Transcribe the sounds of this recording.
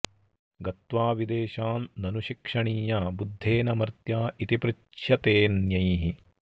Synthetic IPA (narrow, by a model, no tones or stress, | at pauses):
ɡɐt̪ʋaːʋid̪eːʃaːnːɐnuʃikʂɐɳiːjaːbud̪ʱːeːnɐmɐɾt̪jaːit̪ipɾɪ | ʃʰjɐt̪eːnjɐjɦi